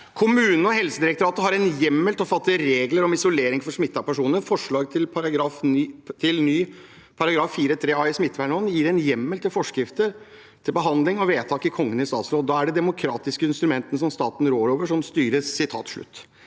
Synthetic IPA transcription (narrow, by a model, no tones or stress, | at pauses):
kʰʊmʉːnən̩ɔhɛlsəd̪ɪɾɛk̚t̪ʊɾɑːt̪əɦɑɾɛnjɛmːəlt̪ɔfɑt̪ːəəɾeːɡləɾɔmɪsʊleːɾɪŋfɔɾʂmɪt̪ːɑpæʂuːnəɾfɔʂɭɑːɡt̪ʰɪlpʰɑɾɑɡɾɑft̪ʰɪlnyː | pʰɑɾɑɡɾɑːfːiːɾət̪ʰɾeːɑɪsmɪt̪ːʋæɳɔnjiːɾɛnjɛmːəlt̪ɪlfɔʂkɾɪft̪əɾ | t̪ʰɪlbəɦɑnd̪lɪŋɔʋeːt̪ʰɑːkɪkʰɔŋːənɪst̪ɑːt̪sɾoːd̪ɑːæɖɛd̪ɛmʊkʰɾɑːt̪ɪskəɪnst̪ɾʉmɛnt̪ənəs̬ɔmst̪ɑːt̪n̩ɾoːɾoːʋəʂɔmst̪yːɾəsɪt̪ʰɑ̰ːt̪ʂɭʉ̰t̪ː